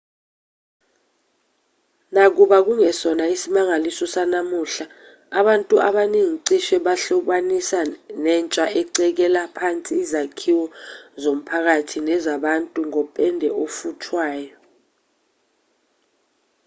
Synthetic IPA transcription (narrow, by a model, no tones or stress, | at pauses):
nak̬uɓak̬uŋɛsɔnaisimaŋalisɔsanamuɬaː | ɓantʼuʔaɓaniŋiǀiʃɛɓaɬuɓanisanɛnt͡ʃʼaʔɛǀɛk̬ɛlapʰant͡sʼiːzakʰiwɔzom̩pʰak̬atʰinɛzaɓantʼuŋɔpʼɛndʱɛʔofutʰwaːjɔ